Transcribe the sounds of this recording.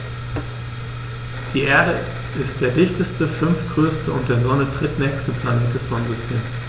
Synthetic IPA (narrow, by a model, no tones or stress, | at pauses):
d̥iːʔeːɐɾə | ʔɪst̚d̥eːɐdɪçtəstəfʏnfɡ̥ʁøːstʰəʊnt̚d̥eːɐzɔnətʁ̥ɪtnɛːçstəpʰl̥aːnɪt̚d̥ɛsz̥ɔnn̩zʏstʰeːms